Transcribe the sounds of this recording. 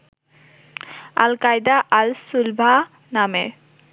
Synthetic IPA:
a̰lkajd̪aʔalsulbʱa | namḛ

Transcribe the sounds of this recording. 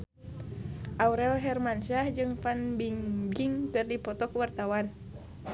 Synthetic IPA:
ʔauɾɛlɦɛrmanʃahd͡ʒɨŋfanbiŋbiŋt̪ɨrdipɔt̪ɔkuwart̪awan

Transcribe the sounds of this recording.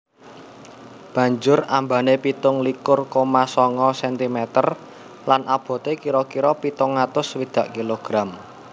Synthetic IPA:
b̥ä̤ɲd͡ʒʊrambanepit̪ʊŋlikʊrkomasɔŋɔsɛnt̪imɛt̪ər | lanʔab̥o̤t̪ekiɾɔkiɾɔpit̪ʊŋːat̪ʊswid̪̥ä̤ʔkiloɡ̥ɾam

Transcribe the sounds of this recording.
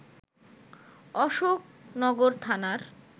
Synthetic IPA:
ɔʃok̚nɔɡoɾt̪ʰanaɾ

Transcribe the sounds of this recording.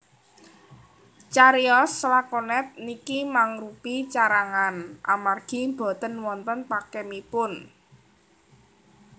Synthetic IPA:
t͡ʃaɾiɔslakɔnɛt̪̚nikimaŋɾupit͡ʃaɾaŋanʔa̰marɡ̥i̤mbɔ̤t̪ənwɔnt̪ənpakɛmipʊn

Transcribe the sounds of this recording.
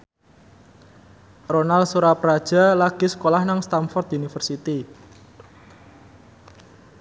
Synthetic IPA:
ronalsuɾapɾad̥ʒ̥a̤laɡ̥i̤sə̥kolahnaŋst̪amfɔrt̪̚unifərsit̪i

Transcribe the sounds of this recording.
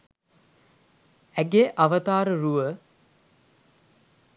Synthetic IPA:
æɡeʔaʋət̪aːɾəɾuʋə

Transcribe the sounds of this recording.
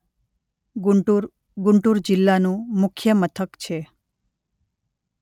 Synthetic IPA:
ɡʊɳʈuɾd͡ʒɪlːanũmʊkʰjəmət̪ʰəkt͡ʃʰe

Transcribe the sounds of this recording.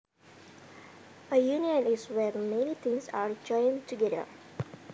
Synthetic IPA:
əjuːniə̃nisʋeːɾmẽnit̪ʰĩŋsaːɾd͡ʒɔ̃ɪ̃ŋʈuɡedə̰ɾ

